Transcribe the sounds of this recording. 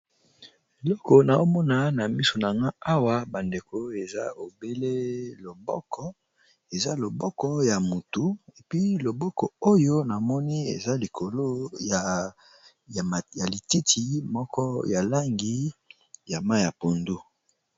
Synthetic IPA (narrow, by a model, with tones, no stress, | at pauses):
e˨lɔ˦ko˨na˨o˦mɔ˦na˦na˨mi˦so˨na˨ŋɡa˦a˦wa˦ba˨nde˨ko˨e˨za̰˦o˨be˦le˦lo˨bɔ̰˦kɔ˦ | e˨za˦lo˨bɔ˦kɔ˦ja˨mu˨tu˨e˨pi˦lo˨bɔ˦kɔ˨o˦jo˦na˨mɔ˦ni˦ḛ˨za˦li˨kʰo˨lo˦a˨ | ja˨li˨ti˦tʰi˨mɔ˦kɔ˦ja˨la˦ŋɡi˦ | ja˨ma˦˨ja˨po˨ndu˦